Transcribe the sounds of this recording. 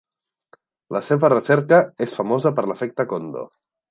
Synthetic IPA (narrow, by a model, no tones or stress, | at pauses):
ləseβərəsɛɾkəesfəmozəpəɾləfɛk̚t̪əkond̪o̰